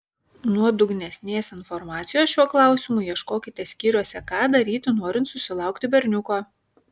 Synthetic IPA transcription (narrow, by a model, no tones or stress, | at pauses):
nuɔd̪ʊɡnʲɛsʲnʲeːsɪnfɔɾmɑːt̪sʲɪjoːsʃʲuɔklˠɑˑʊsʲɪmʊjiɛʃkoːkʲɪt̪ʲɛsʲkʲiːɾʲuɔsʲɛkɑːd̪ɐɾʲiːt̪ʲɪnoːɾʲɪnt̪sʊsʲɪlˠɑˑʊkt̪ʲɪbʲɛɾʲnʲʊkoː